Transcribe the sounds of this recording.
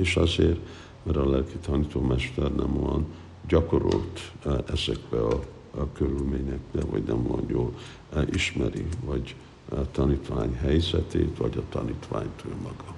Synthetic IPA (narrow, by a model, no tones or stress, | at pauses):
eːʃɒzeːr | mɛɾɒlɛlkit̪ɒnit̪oːmɛʃt̪ɛrnʔɛmojɒn | ɟɒko̞ɾolt̪ɛzɛɡbɛɒ | køɾylmeːɲɛk̚bɛvɒɟnɛmlonjoːl | ʔiʃmɛɾivɒɟ | t̪ɒniːt̪ʋaːɲɦɛjzɛt̪eːt̪ʋɒɟɒt̪ɒniːt̪ʋaːɲt̪øːmɒɡɒ